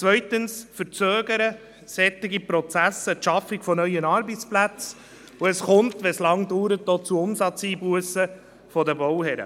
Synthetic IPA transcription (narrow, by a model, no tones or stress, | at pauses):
t͡sʋœʏtənsfəɾt͡søːɡəɾə | sɛt̪ːɪɡipɾɔt͡sæsətʃɑfɪkfɔnœʏənɑɾbət͡splæt͡s | uɛsχʊntʋɛslɑŋduːɾət̚doːt͡suʊmsɑt͡siːbuəsə | fɔdəbɔwhɛɾə̰